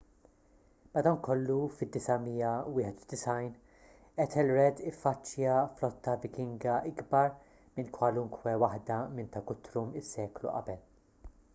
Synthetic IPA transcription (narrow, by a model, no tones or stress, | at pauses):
mɐd̪ɐwnkɔlːufɪd̪ːɪsɐmiːjɐwɪːħɛt̪ud̪ɪsɐjn | ɛt̪ʰɛlɾɛd̪ɪfːɐt͡ʃːjɐflɔt̪ːɐvɪkɪŋɡɐʔɪɡbɐɾ | mɪnkwɐlʊŋkʰwɛwɐħd̪ɐmɪnt̪ɐkʊt̪ːɾumɪsːɛːklṵʔɐ̰bɛl